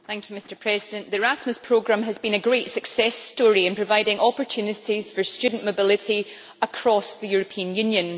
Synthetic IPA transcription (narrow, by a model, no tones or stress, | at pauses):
θæ̃ŋkʰjʉmɪstə˞pʰɹ̥ɛzɪdə̃nʔðəɹasməspʰɹ̥oɡɹãməzbĩnəɡɹetsəksɛstɔɹiɪ̃npʰɹ̥əvaɪdɪ̃ŋɔpə˞t͡ʃʰʉnɪʔiz̥fə˞st͡ʃʉdⁿn̩mobɪlˠɪʔi | əkʰɹ̥ɔsðəjʉɹəpʰiə̃njʉ̃njə̃n